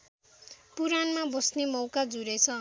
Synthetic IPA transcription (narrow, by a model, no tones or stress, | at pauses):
puɾanmabʌsnemʌwkad͡zuɾet͡sʰʌ